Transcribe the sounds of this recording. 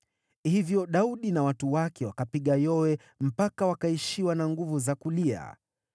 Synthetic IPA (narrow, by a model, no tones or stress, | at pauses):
hivjɔɗauɗinawatuwakɛwakapiɠajɔwɛ | m̩pakawakaiʃiwanaŋɡuvuzakulia̰